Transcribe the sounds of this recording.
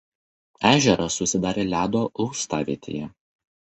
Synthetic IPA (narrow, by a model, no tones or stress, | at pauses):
æːʒʲɛɾɐsʊsʲɪd̪ɑːɾʲeːlʲæːd̪oːʊʊst̪ɑːʋʲḛːt̪ʲḛːjɛ